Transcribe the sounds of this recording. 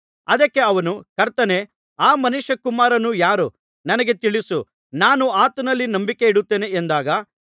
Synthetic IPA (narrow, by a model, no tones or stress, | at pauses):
ɐd̪ɐkːe̞ɐʋɐnukɐɾt̪ɐne | aːmɐnuʃɐkumaːɾɐnujaːɾu | nɐnɐɡe̞t̪iɭisu | naːnuaːt̪ɐnɐlːinɐmbike̞iɽut̪ːeːne̞ːnd̪aːɡɐ